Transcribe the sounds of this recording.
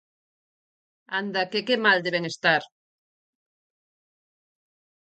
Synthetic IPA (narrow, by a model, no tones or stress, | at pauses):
and̪ɐkekemald̪eβeŋest̪aɾ